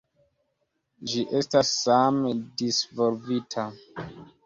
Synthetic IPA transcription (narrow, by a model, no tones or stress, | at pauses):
ʒiʔestasːamdisvolvitʰa